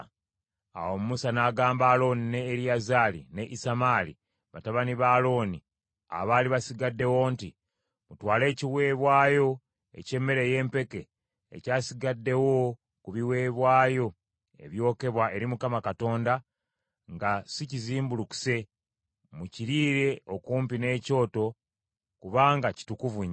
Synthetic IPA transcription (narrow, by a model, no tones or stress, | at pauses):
a̰womumusanaːɡaːmbaːlo̞nine̞ːɾijazaːlḭne̞ʔisamaːlḭ | βataβaniβaːlo̞ːni | a̰βaːliβasiɡadːe̞wo̞nti | mutwaːle̞ːciwe̞ːβwaːjo̞ | e̞̰ce̞mːe̞ɾe̞je̞ːmpe̞ke̞̰ː | caːsiɡadːe̞wo | kuβiwe̞ːβwaːjo̞ | e̞̰βjo̞ːke̞βwaʔe̞ɾimukamakato̞ːnda | ŋɡasiciziːmbuluku̥se̞ | muciɾiːɾe̞okuːmpine̞ːco̞ːto̞ | kuβaːŋɡaci̥tukuvuɲ